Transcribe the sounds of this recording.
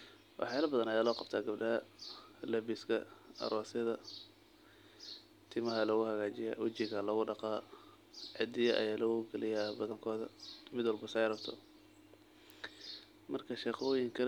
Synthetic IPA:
wʔɑ̰ħjaːlɐbɐðɐnɐjaːlɔːqɑb̥t̪ʰaːɡɐbɖɐɦɐlɐbɪskʰɐ̰ɐ̰ɾɔːsɐðɐ | t̪ʰɪmɐɦɐlɐɣʊhɐɣaːt͡ʃɪja̰wɐt͡ʃɪɣɐlɐɣʊɖɑqɑː | ʕɪd̪ɪjɐʔɐ̰jaːlɐɣʊɡɐlɪjabɐðɐŋkʰɔːðɐ̰mɪd̪wɑlbʊsɛjrɐbt̪ʰɔ̰ | mɐrkʰɐʃɛːχɔːjɪŋkʰɐl

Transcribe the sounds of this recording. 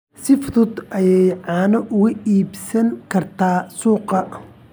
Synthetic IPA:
sɪft̪ʊd̪ʔɐjɛjʕɑːnɐʔʊɣɐiːbsɐŋkʰɐrt̪ʰaːsuːqɐ

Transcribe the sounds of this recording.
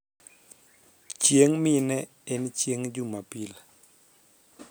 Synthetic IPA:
t͡ʃjeŋminɛ | ɪnt͡ʃjeŋd͡ʒumapila

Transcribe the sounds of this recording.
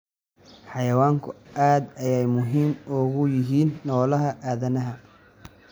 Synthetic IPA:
ħɑjɐwaːŋkʰʊʔaːd̪ɐjɛjmʊɦiːmʊɣʊjɪɦiːnːɔːlɐɦɐʔaːðɐnɐɦɐ

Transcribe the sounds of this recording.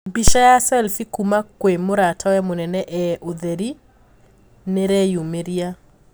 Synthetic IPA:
mbiʃajasɛlfikumakwemoɾatʰawɛmonɛnɛʔɛʔoðeɾi | neɾɛjumeɾia

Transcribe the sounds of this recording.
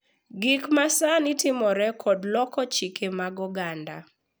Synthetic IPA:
ɡikmasanitɪmɔɾɛkʰodlɔkɔt͡ʃikemaɡɔɡanda̰

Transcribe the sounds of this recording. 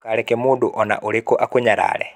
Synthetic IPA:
kaɾɛkɛmuduʔɔna̰ʔuɾikɔʔakuɲaɾa̰lɛ̰

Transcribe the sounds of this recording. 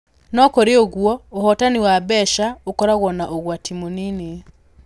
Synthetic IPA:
nɔkɔɾeoɣwɔohɔtaniwabɛʃaokɔɾaɣwɔnaʔoɣwatimonine

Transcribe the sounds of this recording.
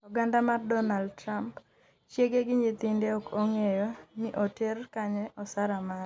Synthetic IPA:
ɔɡandamardɔnaldtɾamp | t͡ʃjeɡeɡɪɲɪt̪ɪndeɔkoŋejoniʔɔtɛrkaɲɛɔsaɾama

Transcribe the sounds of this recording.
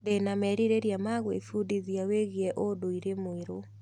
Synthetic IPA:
denamɛɾiɾeɾjamaɣwḛfudiðjaweɣjɛʔodoiɾemoeɾo

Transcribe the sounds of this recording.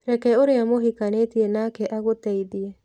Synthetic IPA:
ɾɛkɛoɾeamoɦikanetiɛnaːkɛʔaɣotɛiðiɛ

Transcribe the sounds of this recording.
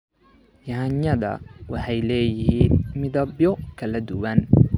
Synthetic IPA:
jɐnɐðɐ̰wɑħɑjlɛːjɪɦiːnmɪðɐbjɔkʰɐlɐd̪ʊwɐn

